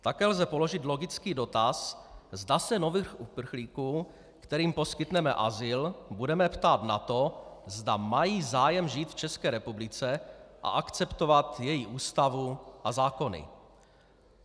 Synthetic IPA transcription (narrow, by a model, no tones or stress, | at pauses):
t̪akɛːlzɛpo̞lo̞ʒɪt̪lo̞ɡɪt͡skiːdo̞t̪aszdasɛno̞vixʔupr̩xliːkuː | kt̪ɛɾiːmpo̞skɪt̪nɛmɛ̰ʔa̰zɪlbudɛmɛpt̪aːt̪na̰t̪ozdamajiːzaːjɛmʒiːt̪ft͡ʃɛskɛːɾɛpublɪt͡sɛʔa̰ʔakt͡sɛpt̪ovat̪jɛjiʔuːst̪avuʔazaːko̞nɪ̰